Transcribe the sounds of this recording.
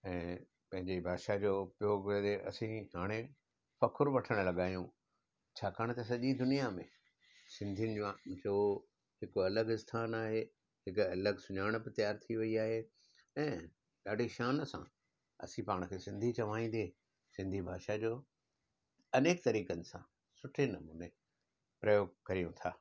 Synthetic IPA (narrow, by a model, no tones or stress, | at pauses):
ɛ̃ː | pɐ̃ɦɪ̃ɲd͡ʑeibʱaːʃad͡ʑoːpɪjoːɡed̪eʔɐ̰sĩɦaːɽ̃e | fɐkʰʊɾʋɐʈʰəɽ̃lɐɠaːjũ | t͡ɕʰaːkaːɽ̃̆t̪ɐs̬ɐʄid̪ʊnijamẽ | sɪ̃nd̪ʱijʊnɪ̆d͡ʑd͡ʑoː | ɦɪkɐləɡɪst̪ʰaːnaːɦe | ɦɪkɐləɡsʊɲaːɪɽ̃bɪt̪ɐjaːɾt̪ʰiʋɐiaːɦe | ɛ̃ː | ɗaːɖʱiʃaːnəsã̰ | ɐ̰sĩpaːɽ̃̆kʰeːsɪ̃nd̪ʱit͡ɕɐʋ̤aːĩːn̆d̪e | sɪ̃nd̪ʱibʱaːʃad͡ʑoː | ɐneːkt̪ɐɾiːkənɪ̆sã | sʊʈʰenɐmuːne | pɾɐjoːɡ̚kɐɾijũt̪ʰaː